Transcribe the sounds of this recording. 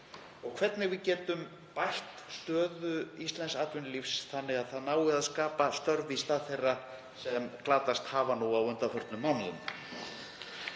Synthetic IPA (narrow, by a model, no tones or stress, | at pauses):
ɔɣkʰvɛt̪nɪɣvɪðcɛːt̪ʏm | pajht̪st̪œːðʏist̪lɛnsaːt̪vʏnlifsθanːɪɣaðθaðnaːwɣɪaðskaːpast̪œɾvist̪aːðθejrːa | sɛmklaːt̪ast̪haːvanuawœnt̪afœɾt̪lnʏmːawnaðʏm